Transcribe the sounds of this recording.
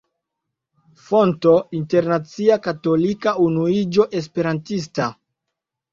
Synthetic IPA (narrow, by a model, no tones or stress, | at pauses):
fo̞nto̞inte̞ɾnat͡siakato̞likaunuid͡ʒo̞ʔe̞s̬pe̞ɾantis̬ta